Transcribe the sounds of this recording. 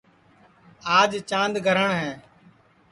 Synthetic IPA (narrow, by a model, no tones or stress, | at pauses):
aːd͡ʒt͡ʃãːnd̪ɡʱəɾəɳɦɛ̃ː